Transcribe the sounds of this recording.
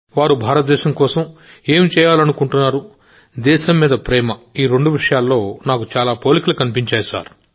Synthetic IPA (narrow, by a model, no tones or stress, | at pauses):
ʋaːɾubʱaːɾɐt̪̚d̪ɛːʃɐmkɔːsɐm | eːmt͡ʃɛːjaːlɐnukuɳʈunːaːɾu | d̪ɛːʃɐmːiːd̪ɐpɾɛːmɐiːɾe̞ɳɖuʋiʂɐjaːlːo̞ːnaːkut͡ʃaːlaːpoːlikɐlukɐnip̬iɲt͡ʃeːjɐsa̰ːɾu